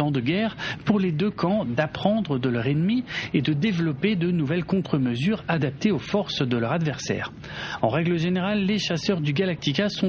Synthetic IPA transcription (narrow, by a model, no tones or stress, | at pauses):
ɑ̃d̪əɡʲɛːʁpuʁled̪økʰɑ̃d̪apχɑ̃d̪ʁəd̪əlœʁɛnmied̪əd̪evlɔped̪ənuvɛlkɔ̃t̪χəməzyːʁad̪ap̚t̪eofɔʁsd̪əlœʁad̪vɛʁsɛ̰ːʁ | ɑ̃ʁɛɡləʒeneʁalːeʃasœʁd̪yɡalak̚t̪ikʲasɔ̃